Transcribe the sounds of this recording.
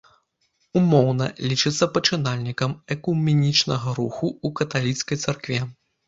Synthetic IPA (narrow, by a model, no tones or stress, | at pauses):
umɔwnɐ̰lʲit͡ʂɨt̪sːɐpɐt͡ʂɨnalʲnʲikɐmɛkumʲɛnʲit͡ʂnɐɣɐɾuxuukɐt̪alʲit̪skɐjt̪sarkvʲɛ